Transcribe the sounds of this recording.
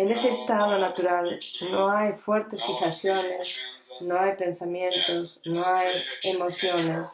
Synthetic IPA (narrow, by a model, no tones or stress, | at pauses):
eneseːst̪aðonat̪uɾalnõajfweɾt̪esfixasjonesnõajpẽ̞nsamjẽnt̪osnoajemoθjones